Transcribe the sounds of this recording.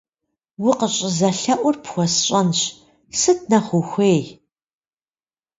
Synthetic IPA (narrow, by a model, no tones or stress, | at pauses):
wʊqəɕʼɪzɐɬɐʔʷʊrpxʷɔsɕʼɐnɕ | sɨt̚ʰnɐχʷʊxʷeːj